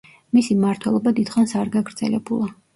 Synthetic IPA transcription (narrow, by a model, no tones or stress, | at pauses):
misimaɾt̪ʰwɛlˠɔbad̪id̪̥χansaɾɡaɡɾd̪z̥ɛ̰lɛbulˠa